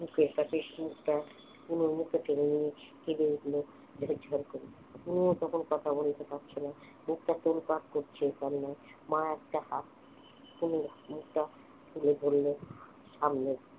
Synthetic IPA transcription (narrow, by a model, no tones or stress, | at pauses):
bʱukeɾʈaʃeʃmukʈa | punoɾmukʈapeŋenijehebeuɡlo | d͡ʑʱed͡ʑʱaɾkoɾe | uniot̪ɔkʰonkɔt̪ʰabolet̪ʰepatːt͡ɕʰena | muk̚ʈat̪olpaʈ̪koɾt͡ɕʰekamnaemãɛk̚ʈahat̪̚ | punoɾmuk̚ʈa | t̪ʰulebʱolːo | ʃamne